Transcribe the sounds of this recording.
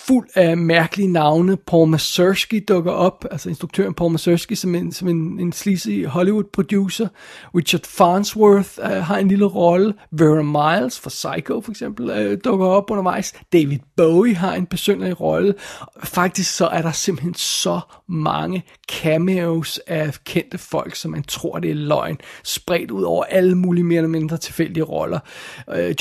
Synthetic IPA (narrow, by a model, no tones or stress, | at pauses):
ful̰̥æmæɐɡ̥əlinɑ̈ʊnəpʰɒmæsøsɡ̥id̥ɔ̽ɡ̥ɐʔɒ̽b̥ælsɐe̝nsd̥ʁuɡ̥̚t͡sʰø̰ɐnpʰɒmæsøsɡ̥isɒ̽mesɒ̽mene̝nslisiɦɒ̽liwud̥̚pʰʁod̥jṵːsɐʁiɕɐd̥fɑnswøθɦɑ̈e̝nliləʁɒ̽ləʋeʁmɑɪlsfʁɑ̈sɑ̈ɪkʰofɒeɡ̥sem̰b̥l̩d̥ɔ̽ɡ̥ɐɒ̽b̥ɔ̽nɐʋɑ̈ɪ̰sd̥eɪʋið̥ˠb̥oʊiɦɑ̈e̝nb̥esønɐliʁɒ̽ləfɑ̈ɡ̥̚d̥isɡ̥sɒ̽ʔæɐɾɑ̈se̝mb̥̩hensɒ̽mɑ̈ŋə | kʰæmeosækʰen̰d̥əfɒ̽l̰ɡ̥sɒ̽mːænt͡sʰʁo̝ɐ̰d̥e̝ɐlɒ̽ɪ̰nsb̥ʁɛ̰ːd̥uð̞̰ˠɒ̰ʊ̰ɐʔæləmuːliəme̝ːɐlɐme̝nd̥ʁɐt͡sʰe̝lfel̰d̥iəʁɒ̽lɐ